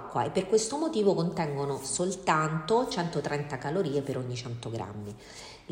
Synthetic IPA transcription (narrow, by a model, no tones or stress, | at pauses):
kːwa̰epːerkwest̪omot̪iːvokont̪ɛŋɡonosolt̪ant̪ot͡ʃɛnt̪ot̪ɾɛnt̪akaloɾiːepeɾoɲːit͡ʃɛnt̪oɡɾa̰mːi